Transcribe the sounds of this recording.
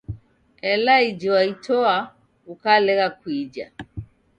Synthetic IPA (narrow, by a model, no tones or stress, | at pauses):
ɛlaid͡ʒɔwaitɔa | ukalɛɣakwid͡ʒa̰